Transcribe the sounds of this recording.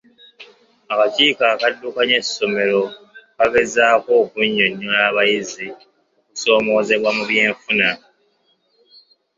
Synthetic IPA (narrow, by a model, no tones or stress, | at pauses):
akaciːkakadːukaɲe̞sːo̞me̞lo̞ | kaɡe̞zaːko̞ːkuɲːo̞ɲːonaːβajizi | oku̥so̞ːmo̞ːze̞βwamuβje̞ːɱfuna